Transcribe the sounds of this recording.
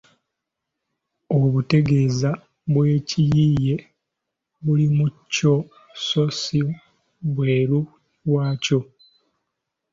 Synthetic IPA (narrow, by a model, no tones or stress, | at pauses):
o̞βute̞ɡe̞za | βwe̞ːcijije̞ | βulimucːo̞ | so̞si | βwe̞ːɾu | ɾwaːco̞